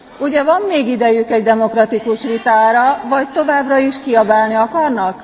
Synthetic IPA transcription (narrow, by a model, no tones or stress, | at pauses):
uɟɛvɒmːeːɡid̪ɛjykɛɟd̪ɛmo̞krɒt̪ikuʃʋit̪aːɾɒvɒc̚t̪o̞vaːbrɒiʃkiɒbaːlniɒkɒrnɒk